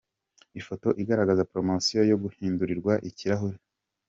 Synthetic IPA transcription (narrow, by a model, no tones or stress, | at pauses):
ifo̞to̞ʔiɡaɾaɡazapɾo̞masijojo̞ɡuhiːnduɾiɾɡwaʔiciɾaɦuɾi